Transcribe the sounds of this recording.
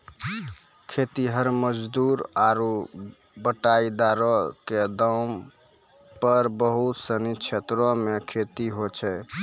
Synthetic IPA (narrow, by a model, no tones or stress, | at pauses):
kʰet̪iɦəɾməd͡ʒd̪uɾaɾu | bəʈaid̪aɾɔked̪am | pəɾbəɦut̪sənit͡ʃʰet̪ɾɔ̃mekʰet̪iɦot͡ʃʰɛ